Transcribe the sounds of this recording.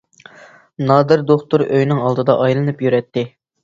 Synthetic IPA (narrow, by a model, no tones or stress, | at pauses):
nɑːd̪ɨɾd̪oχt̪uɾøjnɪŋɑlˠd̪ɨd̪ɑʔɑjlˠɨnɨpjyɾɛt̪ːɪ